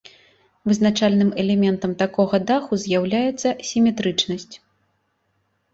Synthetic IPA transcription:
vɨznat͡ʂalʲnɨmɛlʲɛmʲɛnt̪ɐmt̪akɔɣɐd̪axuzʲjawlʲajɛt̪sːɐsʲimʲɛt̪ɾɨt͡ʂnɐsʲt͡sʲ

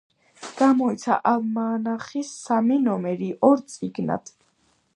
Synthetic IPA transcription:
ɡ̥amɔit̪sʰa̰ʔalmaːnaχisːaminɔmɛɾiʔɔɾt̪sʼiɡna̰d̪̥ʰ

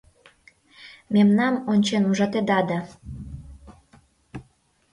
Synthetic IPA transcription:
memnɑmonʲt͡ɕenuʒɑt̪ed̪ɑd̪ɑ

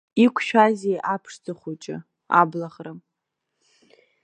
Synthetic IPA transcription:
ikʷʰʃᶣazejʔapʰʂd͡zʰʼaχʷut͡ʃʼɪ̰ | a̰blaχram

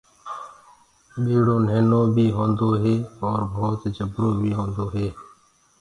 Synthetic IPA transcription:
ɓeːɽoːneːnoːbʱiːɦõːnd̪oːɦeːɔːɾbʱoːt̪d͡ʒəbɾoːbʱiːɦõːnd̪oːɦeː

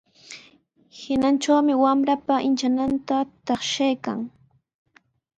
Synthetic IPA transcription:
hɪnant͡ʃawmɪwamɾapaʔɪnt͡ʃanant̪at̪ɑχʃajka̰ŋ

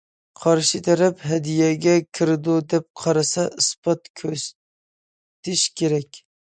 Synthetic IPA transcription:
qʰɑɾʃit̪ʰɛɾɛpɦɛd̪ijɛɡʲɛkʲʰiɾɪd̪ud̪ɛp̚qʰɑɾɑsɑʔɨsbɑt̪kʲʰøs | t̪ɪʃkʲʰeɾɛkʲ

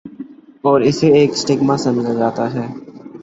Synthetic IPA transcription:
ɔːɾɪseeːksʈɪɡmãsɐmd͡ʒad͡ʒaːt̪aɦɛː

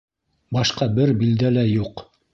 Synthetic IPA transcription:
bɑʃqɑbɘɾbild̪ælæjuq

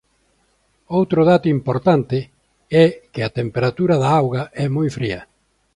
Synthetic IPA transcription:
owt̪ɾʊðat̪ʊimpoɾt̪ant̪ɪ | ɛkɪat̪empeɾat̪uɾɐðaawɣɐɛmojfɾiɐ

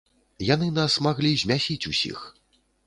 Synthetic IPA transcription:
janɨnasmaɣlʲizʲmʲasʲit͡sʲusʲḭx

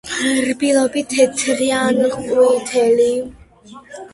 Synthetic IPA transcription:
ɾbilˠɔbit̪ʰːɛt̪ʰɾianχʼut̪ʰɛli

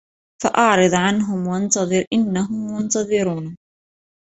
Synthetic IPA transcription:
faʔɑʕɾˤɨd̪ˤʕanɦʊmwaʔɑnt̪ɑðˤɨɾʔɪnːaɦʊmːʊnt̪ɑðˤɨɾuːn

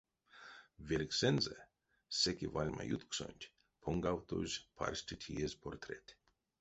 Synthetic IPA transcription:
vʲelʲksɛnzɛ | sekʲivalʲma̰jut̪kso̰nʲt̪ʲ | pʰoŋɡawt̪ozʲpʰa̰rʲsʲtʲit̪ʰʲiezʲpʰort̪ɾet̪ʲ

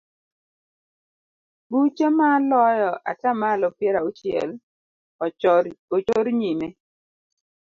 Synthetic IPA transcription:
but͡ʃemalɔjɔʔa̰tamalɔpjeɾaut͡ʃɪɛ̰l | ot͡ʃoɾɲime

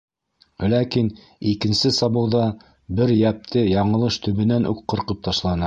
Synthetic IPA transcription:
lækin | ikɘ̆nsɘsɑβɤ̆wðɑ | bɘɾjæp̚t̪ʰɘjɑɴɤ̆lˠɤʃt̪ɵ̆βɘ̆nænʔṵqːɤ̆ɾqɤp̚t̪ɑʃlˠɑnɑ

